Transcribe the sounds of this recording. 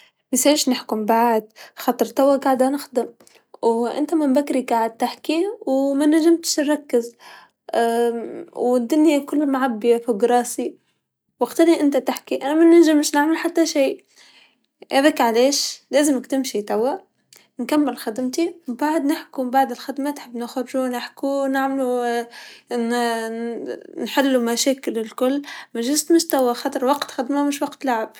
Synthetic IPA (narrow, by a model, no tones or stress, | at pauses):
mɪsaɪːʃnɪħkʊmbaʕd̪xɑt̪ˤɾt̪awaɡaʕd̪anɪxd̪ɪm | wʔɪ̰nt̪amɪmbakɾiɡaʕɪd̪̚t̪aħkiwmanaʒɪmt̪ʃnɾˤɑkːɪz | wɪd̪ːʊnjakʊlːmaʕabːɪjafiɡɾˤɑːsi | waɡt̪ɪliʔɪnt̪at̪ɪħkiʔanamanaʒɪmʃnɪʕmalħat̪ːaʃeː | ʔæðæːkʕaleːʃleːzɪmɪkt̪ɪmʃit̪awːa | nkamːɪlxɪd̪ɪmt̪ibaʕd̪nɪħkubaʕd̪ɪlxɪd̪manħɪbːnɪxɾʒunɪħkunɪʕmlu | nħɪlːumaʃæːkɪlɪlkʊlːmæʒʊzt̪mʊʃt̪awaxɑt̪ˤɑɾˤwɑqt̪xɪd̪mamɪʃwɑqt̪laʕɪb̥̚